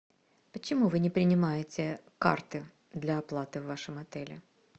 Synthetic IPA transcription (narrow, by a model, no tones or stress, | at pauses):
pət͡ɕɪmuvɨnʲɪpɾʲɪnʲɪmajɪtʲɪka̰rt̪ɨ | d̪lʲɐɐplˠat̪ɨvːaʂɨmɐt̪ɛlʲɪ̰